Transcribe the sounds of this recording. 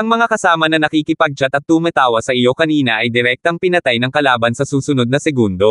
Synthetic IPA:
ʔɐŋmɐŋakɐsaːmɐnɐnɐkikɪpɐɡ̚t͡ʃat̪ɐt̪̚t̪umɛt̪aːwɐsɐʔɪjo̞kɐniːnɐʔɐjd̪ɪɾɛk̚t̪oɐŋpɪnɐt̪ajnɐŋkɐlaːbɐnsɐsuːsʊnod̪̚nɐsɛɡund̪o̞

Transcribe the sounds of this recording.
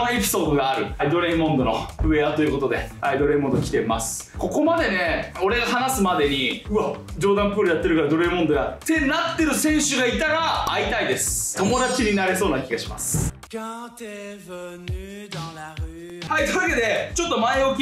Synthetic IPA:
oe̞pʲi̥so̞ːd̪o̞ɡaːɾɯ̟d̪o̞ɾe̞imõ̞nd̪o̞no̞̰ɯ̟e̞at̪o̞jɯ̟ko̞t̪o̞d̪e̞̰haid̪oɾe̞imond̪okʲi̥t̪e̞masɨ̥ | ko̞ko̞mad̪e̞ne̞o̞ɾe̞ɡaɦanasɨmad̪e̞ɲ̟iɯ̟ad͡ʑo̞ːd̪ãmpɯːɾɯ̟jat̪ːe̞ɾɯ̟kaɾad̪o̞ɾemond̪o̞ɡat̪e̞nat̪ːe̞ɾɯ̟sẽ̞ɰ̃ɕɨɡait̪aɡaːit̪aid̪e̞sɨ̥t̪o̞mo̞d̪at͡ɕiɲ̟inaɾe̞so̞ːnakʲiɡaɕima̰sɨ̥ | hait̪oake̞d̪e̞t͡ɕo̞t̪ːo̞maeokʲ

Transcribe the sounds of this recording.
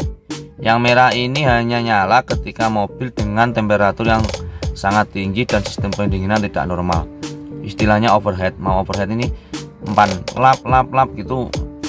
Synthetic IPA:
jaŋmeɾainiɦajɲaɲalakət̪ikamob̥ɪld̥əŋant̪ɛmpeɾat̪ʊrjaŋsaŋat̪ːiŋd͡ʒid̥ansi̥st̪əmpəndiŋinant̪id̥a̰ʔnɔrma̰lʔist̪ilahɲaofərɦɛt̪̚mawofərɦɛt̪inimpanlap̚lap̚lap̚ɡ̥it̪u

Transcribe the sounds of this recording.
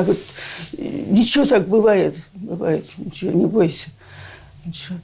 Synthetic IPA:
ɡot̪ | nʲɪt͡ɕɪot̪ak̚bɨvajɪt̪bɨva̰jɪt̪nʲɪt͡ɕɪʋo̰nʲɪbojɪsʲə̥ | nʲɪt͡ɕɪo

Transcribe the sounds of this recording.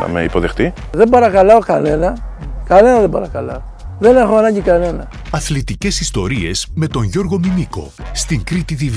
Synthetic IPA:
nɐ̰mḛipo̞ðe̞xt̪i | ðebɐɾɐkalaoka̰ne̞nɐkane̞nɐðembɐɾɐkalɐo | ðeneɾxoanaɲɟikane̞nɐ | ɐθlit̪ice̞sist̪o̞ɾie̞sme̞t̪o̞ɲʝo̞ɾɣo̞miniko̞̰st̪iŋkɾit̪it̪iv

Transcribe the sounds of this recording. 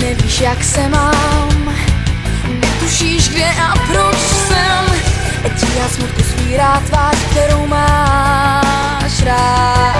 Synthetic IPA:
nɛviːʃjaksɛmam | nɛt̪uʃiʃɡdɛʔapɾoʃsɛm | ɛc̪ɪjaːsmuɾt̪osviːɾaːt̪vaːʃkt̪ɛɾowmaː | ʃɾa

